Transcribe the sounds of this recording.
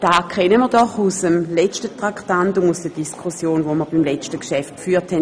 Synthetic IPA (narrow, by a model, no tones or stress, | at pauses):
d̥aːkʰɛnəmiːɐdɔχusəmlɛt͡ʃtətʁaktantʊmusd̥ɛɐd̥iskʰusjoːnvoməɐbimlɛt͡ʃtəkʃɛftfyːɐthɛn